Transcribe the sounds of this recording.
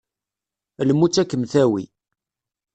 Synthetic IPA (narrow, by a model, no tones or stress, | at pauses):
ləmːut͡sːækːəmθæwḭ